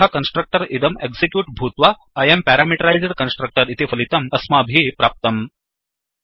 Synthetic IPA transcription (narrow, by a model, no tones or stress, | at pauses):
akɐnsʈɾək̚ʈɐɾid̪ɐmeɡzikjuːʈ̚bʱuːt̪ʋa | ɐjempæɾaːmiʈɐɾajzɐɾkɐnsʈɾɐk̚ʈɐɾit̪efɐlit̪ɐmɐsmabʱipɾaːp̚t̪ɐm